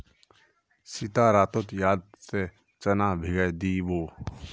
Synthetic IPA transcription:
sɪt̪aːɾaːt̪ot̪jaːd̪̚se | t͡ʃənaːbʱɪɡəjd̪iːʋoː

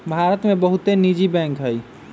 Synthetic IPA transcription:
bʱaɾət̪mebəɦut̪enid͡ʒibɛ̃ŋkɦəj

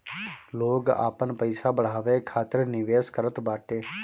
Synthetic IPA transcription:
loːɡa̰ːpənpəɪsabəɽ̤aːʋeːkʰaːt̪əɾnɪʋeːskəɾət̪baːʈeː

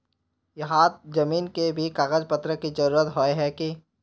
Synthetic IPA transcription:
jɐɦãd͡ʒɐmiːnkebʱikaːɣəd͡ʒpɐt̪ɾəkid͡ʒɐɾuːɾət̪ɦoeɦɛki

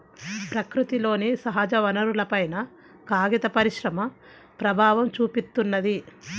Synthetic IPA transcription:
pɾɐkɾut̪ilo̞ːnisɐɦɐd͡ʒɐʋɐnɐɾulɐpɐjnɐ | kaːɡit̪ɐpɐɾiʃɾɐmɐ | pɾɐbʱaːʋɐmt͡ʃuːpit̪ːunːɐd̪i

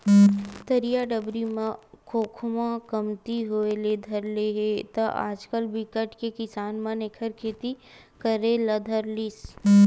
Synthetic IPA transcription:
t̪ɐɾijaɖəbɾimãkʰoːkʰmãkɐmt̪iɦoːeled̪ʱɐɾleɦet̪ɐʔa̰ːd͡ʒkəlbɪkəʈkekɪsaːnmɐ̃nekʰəɾkʰeːt̪i | kəɾelɐd̪ʱɐɾlis

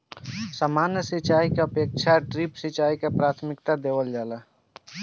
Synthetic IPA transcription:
samaːnjəsit͡ʃaːikaəpeːk̚t͡ʃʰaʈɾipsit͡ʃaːikapɾaːt̪ʰmɪkt̪ad̪eːʋəld͡ʒaːla

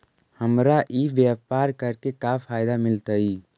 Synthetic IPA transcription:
həmɾaʔiʋjaːpaːɾkəɾkekapʰaːɪd̪amɪlt̪əi

